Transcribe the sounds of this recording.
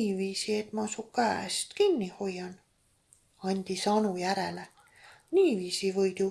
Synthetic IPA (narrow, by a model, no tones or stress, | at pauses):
viːsie̞t̪ˑmɑsukæːˑst̪kinʲːiho̞jːɑn | ɑnʲd̪̥isɑnujæɾele | niːviːsivɤjd̪̥u